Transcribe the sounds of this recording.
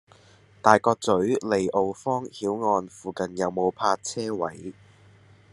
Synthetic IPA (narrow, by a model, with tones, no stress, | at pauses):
t̪aː˨jkɔː˧k̚t͡sɵ˨˥ɥle˨jʔo˨wfɔː˥ŋhiː˨˥wŋɔː˧nfuː˨kɐ˨njɐ˨˧wmo˨˧wpʰaː˧t͡sʰɛː˥wɐ˨˥j